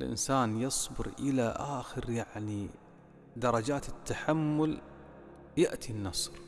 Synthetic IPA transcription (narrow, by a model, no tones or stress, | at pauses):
lʔɪ̰nsaːnjɑsˤbɪɾʔɪlaʔaːxɪɾjaʕni | d̪ɑɾˤɑd͡ʒaːt̪ɪt̪ːaħamːʊl | jaʔt̪ʰinːɑsˤɾ